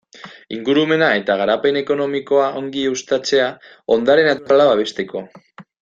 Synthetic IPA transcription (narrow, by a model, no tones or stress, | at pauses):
iŋɡuɾume̞nae̞t̪aɣ̞aɾape̞ne̞ko̞no̞miko̞aʔo̞ŋɡiust̪at͡se̞a | o̞nd̪aɾe̞napalaβaβe̞st̪e̞ko̞